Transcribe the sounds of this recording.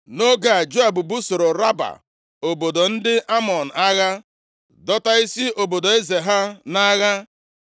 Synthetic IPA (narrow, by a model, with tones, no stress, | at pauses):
no˦ɡa˨d͡ʒo˦a˨bu˨bu˦so˨ɾo˨ɾa˦ba̰˨ | o˨bo˨do˨n̩˦dɪ˦ʔa˦mɔ˨n̩˨a˦ɣa˦ | dɔ˦ta˦i˦si˦o˨bo˨do˨e˦ze˨ɦa˦na˦ɣa˦